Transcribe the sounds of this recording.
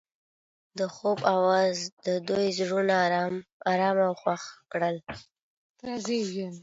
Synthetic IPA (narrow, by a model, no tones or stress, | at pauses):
d̪əxobawɑzd̪əd̪ojzɽunamɑɾɑmawxwaxkɽəl | azewi